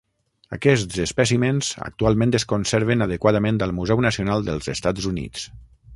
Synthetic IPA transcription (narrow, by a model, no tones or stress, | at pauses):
ə̰kɛstz̥əspəsimenz̥ə̰k̚t̪ualˠmẽnd̪əskonseɾβənəðəkwaðəmẽnd̪əlˠmuzɛwnəsionalˠd̪əlˠzəst̪ad͡zunḭt͡s